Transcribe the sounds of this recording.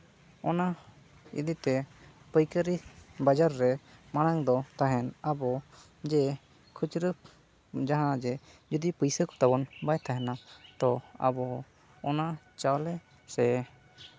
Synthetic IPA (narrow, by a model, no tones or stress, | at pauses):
ɔna | ḭd̪it̪ɛ | pəjkəɾibad͡ʒaɾːɛmanaŋd̪ɔt̪aɦɛnabɔ | d͡ʒɛ | kʰut͡ʃɾə | d͡ʒaɦãd͡ʒɛd͡ʒud̪ipəjsəkɔ̥t̪abɔnbajt̪ʰaɦɛnat̪ɔa̰bɔː | na | t͡ʃawlɛ | sɛ